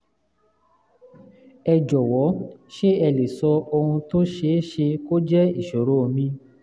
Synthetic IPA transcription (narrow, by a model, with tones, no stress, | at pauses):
ɛ˧d͡ʒɔ˨wɔ˨˦ʃe˦ɛ˧le˨sɔ˧o˧ũ˧to˦ʃe˧˦ʃe˧ko˦d͡ʒɛ˦i˨ʃo˨ɾo˨˦˧mĩ˧˦